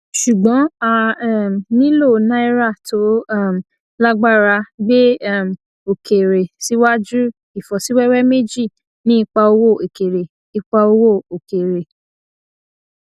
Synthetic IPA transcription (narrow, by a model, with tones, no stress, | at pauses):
ʃu˨ɡ͡bɔ̃˨˦a˧ɛ˦˨nĩ˦lo˦˨nã˦i˦ɾa˦˨tʰo˨˦˨m˨ | la˦ɡ͡ba˦ɾa˧ɡ͡be˦˨m˨ | o˨ke˨ɾe˨si˨˦wa˦d͡ʒu˦ | i˨fɔ˨si˨˦wɛ˦wɛ˦me˦d͡ʒi˦˨ | nĩ˦i˧k͡pa˧o˧wo˦˨e˨ke˨ɾe˨ | i˧k͡pa˧o˧wo˦˨o˨ke˨ɾe˨